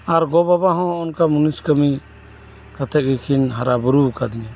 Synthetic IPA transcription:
aɾɡɔbabaɦɔ̃ɔnkamuniskəmi | kat̪ʰɛʔ̚ɡikʰinɦaɾabuɾukad̪iɲɛ

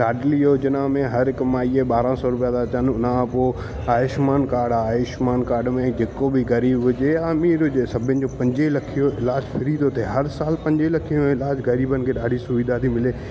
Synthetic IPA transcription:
ɗaːɖliod͡ʑɪnamẽɦɐɾɪkmaːieɓaːɾãsɔːɾʊpijat̪at͡ɕənʊnãpoː | aːjɪʃmaːnkaːɾɖaːɪʃmaːnkaːɾɖmẽd͡ʑeːkobɪɣɐɾiːbʊd͡ʑeaːmiːɾʊsɐbʱɪnɪ̆d͡ʑoːpɐ̃ɲd͡ʑelɐkʰijoɪlaːd͡ʑfɪɾiːd̪ot̪ʰeɦɐɾsaːlpɐ̃ɲd͡ʑelɐkʰijõmɪlaːd͡ʑɣɐɾiːbənɪ̆kʰeːɗaːɖ̤ʱisʊʋiːd̪ʱat̪ʰimɪleː

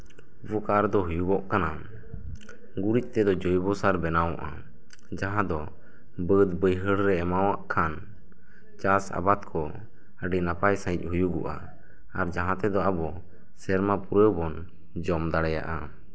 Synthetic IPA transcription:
bɔkaɾd̪ɔɦujuɡɔʔkana | ɡuɾic̪̚ˀt̪ɛd̪ɔd͡ʒɔjbɔsaɾbɛnawɔʔa̰ | d͡ʒaɦãd̪ɔ | bəd̪bəjɦəɽɾɛɛmawaʔkʰan | t͡ʃasa̰bat̪kʰɔ | əɖinapajsãic̚ˀhujuɡɔʔa̰ | aɾd͡ʒaɦãt̪ɛd̪ɔabɔ | sɛɾmapuɾəbɔn | d͡ʒɔmd̪aɽɛja̰ʔa

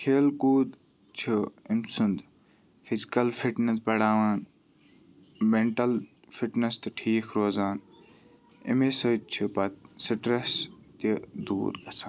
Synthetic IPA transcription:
kʰeːlkuːd̪ | t͡ʃʰuimsʊnd̪ | fizikɐlfʰiʈnes̬bɐɽaːʋaːn | meɳʈɐl | fiʈnɐst̪ɨʈʰiːkʰɾoːzaːn | ḭmesɐt͡ʃʰipɐt̪sʈɾest̪id̪ṵːɾɡɐsaːn

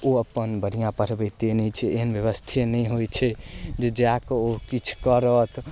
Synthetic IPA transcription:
oəpːənbəɽ̤ijãpəɾ̤bɛt̪enit͡ʃʰɛeɦənbjəʋəst̪ʰenɛjɦojt͡ʃʰɛd͡ʒed͡ʒakokit͡ʃʰkəɾət̪ʰ

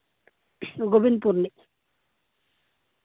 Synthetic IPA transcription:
ɡobinpuɾni

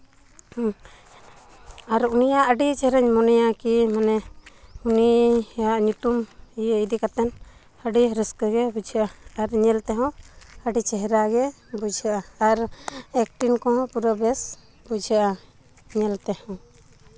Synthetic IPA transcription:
aɾunijaʔəɖit͡ʃɛɦɛɾaɲmɔnɛjakimanɛuniaʔɲut̪umijɛid̪ikat̪ɛn | həɖiɾəskəɡɛbud͡ʒʱəʔaaɾɲɛlt̪ɛɦɔ̃əɖit͡ʃɛɦɛɾaɡɛ | bud͡ʒʱəʔaːɾɛk̚ʈinkɔ̃ɦɔ̃puɾəbɛs | bud͡ʒʱəʔa | ɲɛlt̪ɛhɔ̃w

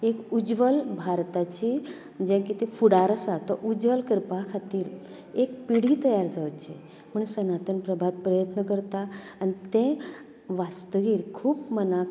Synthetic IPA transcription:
ekud͡ʑʋəlbʱaɾt̪at͡ɕi | d͡ʑãkit̪efuɽaɾəsat̪ɔʔud͡ʑʋəlkəɾpakʰat̪iːɾ | ekpiɽ̤iːt̪əjaɾd͡zaʋt͡ɕe | m̤əɳsənat̪ənpɾəbʱat̪̚pɾəjət̪nəkəɾt̪aːnit̪ẽ | ʋast̪əʋiːɾkʰuːpməna

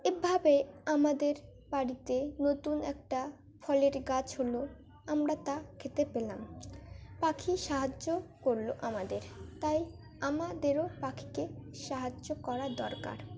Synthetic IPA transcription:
ebʱabeamad̪eɾ | baɾit̪enot̪unɛk̚ʈa | fʰɔleɾɡat͡ɕɦolo | amɾat̪akʰet̪epelam | pakʰiʃaɦad͡ʑokoɾloʔamad̪eɾt̪aj | amad̪eɾopakʰi̥keʃaɦad͡ʑːokɔɾad̪ɔɾka̰ɾ

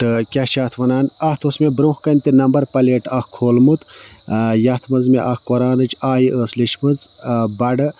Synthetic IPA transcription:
ʈɨkʲɐht͡ʃaːt̪ʰʋɐnaːnɐht̪ʰosmebɾõːhkɐnʲt̪inɐmbɐɾpɐleːʈɐkkʰoːlmut̪ | jɐt̪ʰmɨnzmeʔɐkkoɾaːnɨt͡ʃʰaːjiʔəːslit͡ʃʰmɨz | bɐɖɨ

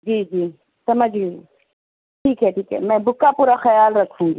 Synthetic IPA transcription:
d͡ʒiːd͡ʒiː | sɐməd͡ʒii | ʈʰiːkɦɛʈʰiːkɦɛ̰mɛ̃ːbʱʊkːapuːɾaxɐjaːlɾɐkʰũːŋɡi

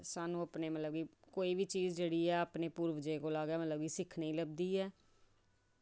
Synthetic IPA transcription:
saːnũːəpneːmət̪ləbɡiːkoːiːʋiːt͡ʃiːzd͡ʒeːɽiːɛːəpneːpuːɾʋəd͡ʒeːkoːlaːɡɛːmət̪ləbɡiːsɪkʰneiːləb̚d̪iːɛː

